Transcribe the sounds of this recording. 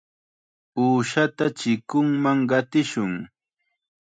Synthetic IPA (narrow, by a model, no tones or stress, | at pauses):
uːʃat̪at͡ʃɪkʊŋmaŋɢɑt̪ɪʃʊŋ